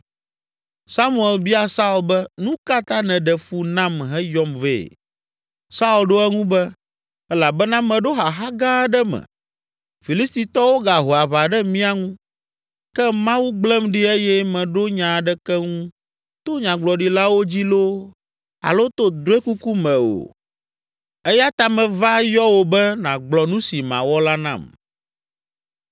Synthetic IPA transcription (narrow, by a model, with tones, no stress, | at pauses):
sa˦mũ˦˨ɛ˨lbi˦a˦sa˦u˨lbɛ˦nũ˦ka˦t̪ã˦nɛ̃˨ɖɛ˨fu˦nã˦mɦɛ˦jɔ˦mvḛː˨ | sa˦u˨lɖo˦ɛ˦ŋũ˦bɛ˦ | ɛ˦la˨bɛ˦nã˦mɛ̃˨ɖo˦ɦa˨ɦa˦ɡã˦ɖɛ˦mɛ̰̃˨ | fi˨li˦st̪i˨t̪ɔ˦wo˦ɡa˨ɦo˨a˨βa˨ɖɛ˦mĩ˦a˦ŋũ˦ | kɛ˦mã˦wu˦ɡ͡blɛ˦mɖi˦e˦jɛ˦mɛ̃˨ɖo˦ɲã˨ɖɛ˦kɛ˦ŋũ˦ | t̪o˦ɲã˨ɡ͡blɔ˨ɖi˨la˦wo˦d͡ʑi˦lo˦ | a̰˨lo˦t̪o˦d̪ɾo˦e˦ku˦ku˦mɛ̃˨o̰˨ | ɛ˦ja˦t̪a˨mɛ̃˨va˦jɔ˦wo˨bɛ˦nã˨ɡ͡blɔ˨nũ˦si˨mã̰˨wɔ˦la˦nã̰˨m